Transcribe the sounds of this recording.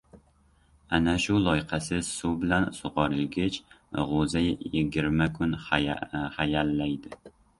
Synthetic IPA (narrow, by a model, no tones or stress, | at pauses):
anaʃʊlˠɒjqʰɑsɪsʊbɪlansʊʁɑɾɪlɡʲɪt͡ʃ | ʁozajjɪɡʲɪɾmakʰʊn | χajalːajd̪ɪ